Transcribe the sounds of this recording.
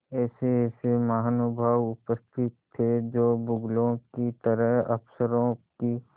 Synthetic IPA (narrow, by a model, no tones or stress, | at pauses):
ɛːseːsemaɦnʊbʱəwʊpəst̪ʰɪt̪ʰːed͡ʒoːbʊɡlõkit̪əɾəɦɐ̰psəɾõki